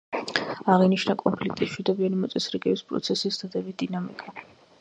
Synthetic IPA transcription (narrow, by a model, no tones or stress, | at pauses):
aʁiniʃnakʼɔmpʰlik̚ʰt̪ʼimʃwid̪ɔbianimɔt̪sʼɛsɾiɡɛbispʼɾɔ̰t̪sʰɛsisd̪ad̪ɛbit̪̚d̪inamikʼa